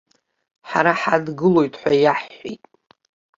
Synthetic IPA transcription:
ħa̰ɾaħadɡɨlo̞jtʼħʷajaħːitʼ

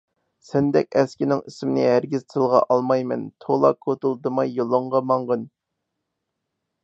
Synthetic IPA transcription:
sɛnd̪ɛ̰kʲɛskʲinɪŋisɪmnɪɦæɾɡʲiz̥t̪ʰɨlˠʁɑʔɑlˠmɑjmɛ̰nt̪ʰolˠɑkʰːot̪ulˠd̪ɨmɑjːolˠoɴʁɑmɑɴʁən

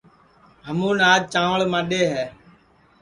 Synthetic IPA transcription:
ɦəmũːnaːd͡ʒt͡ʃãːʋəɭmãːɗeːɦɛː

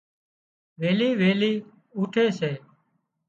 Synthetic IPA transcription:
ʋeːliːʋeːliː | uːʈʰeːseː

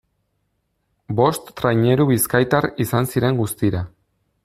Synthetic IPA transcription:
bo̞st̪ːɾajɲe̞ɾuβiskajt̪aɾisansiɾe̞ŋɡust̪iɾa

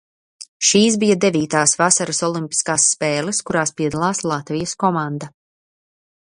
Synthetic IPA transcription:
ʃiːsbijɐd̪ɛviːt̪aːsvasaɾasɔlˠimpi̥skaːsːpɛːlˠɛskuɾaːspiɛd̪alˠaːslˠat̪vijɐskɔmand̪a

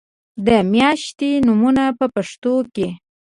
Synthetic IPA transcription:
d̪əmjɑʃt̪enumunapəpaʂt̪oke

